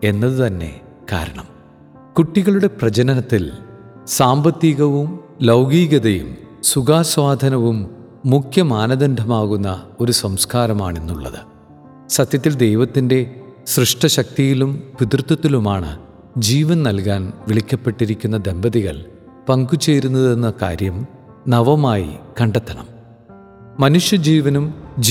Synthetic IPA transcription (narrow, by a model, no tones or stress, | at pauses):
e̞nːɐðɨt̪ɐnːe̞̰ | ka̰ːɾɐɳɐm | kuʈːiɣɐɭuɽe̞prɐd͡ʑɐnɐnɐt̪ːilsaːmbɐt̪ːiɣɐʋumlɐwɡiːɣɐðɐjṵmsuɡaːswaːd̪ʱɐnɐʋumː | ukʰjɐmaːnɐd̪ɐnd̪ʱɐmaːɣunːɐo̞ɾusɐmskaːɾɐma̰ːɳe̞nːuɭːɐ̰ðɨ̰ | sɐt̪jɐt̪ːild̪e̞jʋɐt̪ːinde̞srɨʂʈɐɕɐk̚t̪ijilumpit̪rt̪ːuɐt̪ːilumaːɳɨ̰ | d͡ʑiːʋɐnnɐlkaːnʋiɭikʲːɐpːe̞ʈːiɾikʲːunːɐd̪e̞mbɐðiɣɐ̰ɭ | pɐŋɡut͡ɕːejɾunːɐðe̞nːɐka̰ːɾjɐm | nɐʋɐmaːjḭkɐɳɖɐt̪ːɐɳɐ̰m | mɐnuʂjɐd͡ʑiːʋɐnum